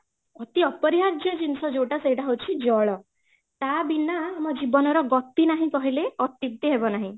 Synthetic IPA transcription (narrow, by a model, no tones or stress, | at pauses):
ɔt̪iɔpɔɾiɦaɾd͡ʒjɔd͡ʒinsɔd͡ʒowʈasejʈaɦowt͡ʃʰid͡ʒɔɭɔ | t̪abinaːmɔd͡ʒibɔnɔɾɔɡɔt̪ːinaɦĩkɔɦileɔt̪ib̚t̪iɦebɔnaɦĩ